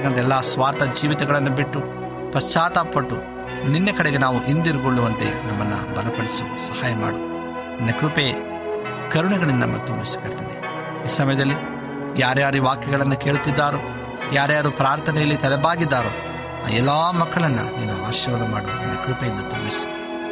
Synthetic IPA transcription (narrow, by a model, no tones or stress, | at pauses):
ɐkɐnɐd̪ɛlːaːsʋaːɾt̪ɐd͡ʒiːʋit̪ɛɡɐɭɐnːubiʈːu | pɐst͡ʃaːt̪apɐʈːu | ninːɐkɐɽɛɡenaːʋuʔind̪iɾuɡoɭːuʋɐnt̪ḛnɐmːɐnːɐ̰bɐlɐpɐɽisu | sɐhaːjɐma̰ːɽu | ninːɐkɾupe | kɐɾuɳuɡɐɭindɐɐmːɐt̪umbisu̥kɐɽt̪id̪ḛ | iːsɐmɐjɐd̪ɐlːi | jaːɾjaːɾiʋaːkjɐɡɐɭɐnːuke̞ːɭut̪ːid̪ːaːɾu | jaːɾjaːɾupɾaːɾt̪ʰɐnɛjɐlːit̪ɐlɛbaːɡid̪ːaːɾuː | a̰ːɛlːaːmɐkːɐɭɐnːṵniːnːuaːʃɐʋɐlɐmaːɽunḭnːɐkɾupejind̪ɐt̪umbisu̥